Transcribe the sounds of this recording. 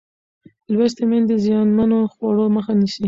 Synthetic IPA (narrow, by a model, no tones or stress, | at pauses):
lwest̪emend̪əzjɑnmanoxwɑɽoməxanisi